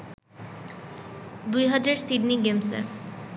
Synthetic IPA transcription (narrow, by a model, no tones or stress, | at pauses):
d̪ujɦʌdeɖsiɖniɡemsḛ